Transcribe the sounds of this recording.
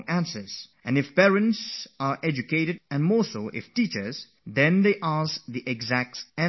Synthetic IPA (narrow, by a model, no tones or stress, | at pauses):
ŋæ̃nsə˞z̥ʔɨ̃nɨfpɛɹɨ̃ntsəɹʔɛd͡ʒɨkeɾɨdɨ̃nmɔɹsoʔɪ̰ftit͡ʃə˞z̥ | ðɛ̃nðeɪʔasðiʔɨɡzæk̚tɛ̃